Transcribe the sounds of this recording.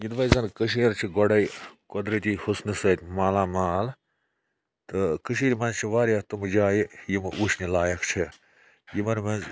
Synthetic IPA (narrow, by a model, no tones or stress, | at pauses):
jid̪ʋɐjzɐnkəʃ̬iːɾt͡ʃʰiɡɔɽɐjkɔd̪ɾit̪ʲihusnɨsɐt̪ʲmaːlaːmaːl | t̪ɨkɨʃ̬iːɾmɐnt͡ʃʰiʋaːɾʲɐt̪umɨd͡ʒaːjijimuʃnilaːjɐkt͡ʃʰi | jimɐnmɐz